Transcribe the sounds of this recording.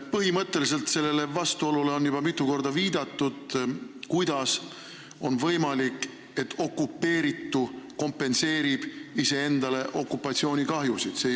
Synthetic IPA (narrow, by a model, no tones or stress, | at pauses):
pɤɦimɤt̪ːe̞lis̬e̞lt̪se̞lːe̞le̞vɑst̪uo̞lule̞o̞njub̥ɑmit̪ːˑuko̞rd̪̥ɑviːd̪̥ɑt̪ːud̪̥kujd̪̥ɑs | o̞nvɤ̞jmɑlikˑ | e̞t̪ʰːo̞kːˑupːe̞ːɾit̪ːuko̞mpːe̞nse̞ːɾib̥ise̞e̞nd̪̥ɑle̞ʔo̞kːˑupːˑɑt̪sio̞ːnʲikɑɦjusid̪̥se